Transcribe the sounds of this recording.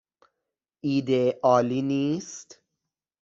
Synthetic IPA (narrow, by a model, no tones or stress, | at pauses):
ʔiːd̪eʔɒːliːniːst̪